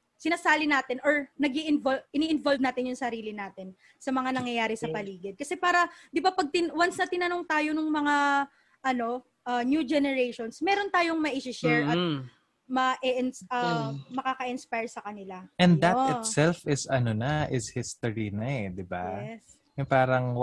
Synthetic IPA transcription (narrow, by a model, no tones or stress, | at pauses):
sɪnaːsaːlɪnaːt̪ɪnʔoɹnɐɡiʔɪnvoʔɪniʔɪnvolvnaːt̪ɪnjʊŋsɐɾiːlɪnaːt̪ɪn | sɐmɐŋanɐŋjɐjaːɾɛsɐppɐliːɡɪd̪̚kɐsɛpaːɾɐd̪ɪbapɐɡ̚t̪ɪnwansnɐt̪ɪnɐno̞ŋt̪aːjonʊŋmɐŋa | ʔɐno̞ | ʔɐnjud͡ʒɛnɛɹejʃonsmɛːɾo̞nt̪aːjoŋmɐʔiʃɪʃɛɹɐt̪ | mɐʔɛʔɪnɐmɐkaːkɐʔɪnspajɹsɐkɐnɪlaʔɛnd̪d̪ɐt̪ɪt̪sɛlfɪsɐnonɐʔɪshɪst̪oɹinɐɛd̪ɪba̰s | jʊŋpaːɾɐŋ